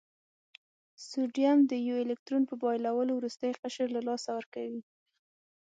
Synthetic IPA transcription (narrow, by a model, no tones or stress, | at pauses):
suɖijamd̪əjɪlɪk̚t̪ɾunpəbɑjlawəlowɾust̪əjqaʃəɾlalɑsawəɾkawi